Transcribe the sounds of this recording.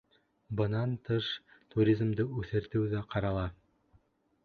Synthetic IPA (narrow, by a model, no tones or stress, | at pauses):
bɤ̆nɑnt̪ɤʃt̪uɾʲizmd̪ɤʉθɘ̆ɾt̪ɘ̆wðæqɑɾɑlˠɑ